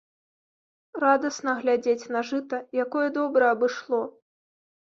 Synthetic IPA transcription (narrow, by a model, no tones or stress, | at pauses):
rad̪ɐsn̪ɐɣlʲad͡zʲet͡sʲnɐʐɨt̪ɐjakɔjɛd̪ɔbɾɐɐbɨʂlˠɔ